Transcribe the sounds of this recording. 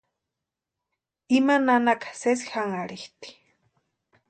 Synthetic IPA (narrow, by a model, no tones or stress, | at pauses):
imananakḁsesi̥haŋaɽiht̪i̥